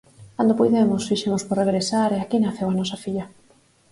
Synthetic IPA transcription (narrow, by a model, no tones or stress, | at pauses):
kand̪opujðemʊsfiʃemʊsporeɣ̞ɾesaɾeakinaθewanɔsafiʎɐ